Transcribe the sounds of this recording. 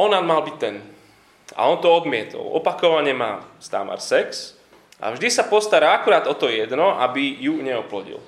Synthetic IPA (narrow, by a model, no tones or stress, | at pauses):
ɔnanmalbic̚t̪ɛn | a̰ɔnt̪ɔɔd̪mɪɛt̪ɔ̰lɔ̰pakɔʋaɲɛmaːst̪a̰ma̰ɾsɛks | ʔa̰vʒd̪isapɔst̪aɾaːakuɾaːd̪ɔt̪ɔjɛd̪nɔʔa̰bijuɲɛɔplɔɟḭl